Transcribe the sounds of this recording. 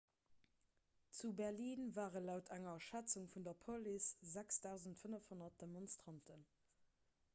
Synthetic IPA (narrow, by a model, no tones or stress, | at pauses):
t͡subɛʁliːnvaːʁənlɑʊtʰæŋɐʃæt͡suŋfundɐpʰoliszæksd̥ɑʊzəntfənəfhonɐt̚d̥emonstʁɑntʰən